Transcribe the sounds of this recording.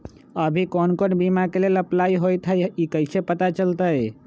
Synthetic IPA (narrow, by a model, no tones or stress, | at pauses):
əbʱikɔnkonbimakeleləplaiɦojt̪ɦəjikəɪsepət̪at͡ʃəlt̪əj